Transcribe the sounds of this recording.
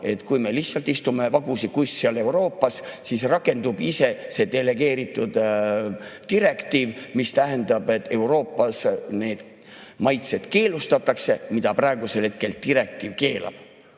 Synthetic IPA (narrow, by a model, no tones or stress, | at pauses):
e̞t̪ːkujme̞lihsːɑlt̪ːˑist̪ume̞vɑɡusikusʲseɑle̞uɾo̞ːpːˑɑsːisrɑkːˑe̞nd̪ub̥ise̞se̞d̪̥e̞le̞ɡe̞ːɾit̪ːˑud̪̥ | t̪iɾe̞kt̪iːvmist̪æɦe̞nd̪̥ɑb̥e̞t̪ːˑe̞uɾo̞ːpːˑɑsne̞ːd̪̥ | mɑjt̪se̞d̪̥ke̞ːlust̪ɑt̪ːˑɑkse̞mid̪̥ɑprɑeɡ̥uselhe̞t̪̚ke̞lt̪iɾe̞k̚t̪iːvke̞ːlɑ̰b̥